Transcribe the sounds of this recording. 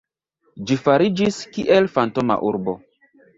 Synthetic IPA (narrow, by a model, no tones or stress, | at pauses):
d͡ʒifaɾid͡ʒiskiʔelfanto̞ma̰ʔuɾbo̞